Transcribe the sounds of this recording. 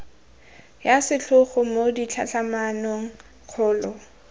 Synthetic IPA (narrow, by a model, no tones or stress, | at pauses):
jasɪt͡ɬʰʊχʊmodit͡ɬʰa̰ɬamanoŋ̩ | q͡χʰʊːlɔ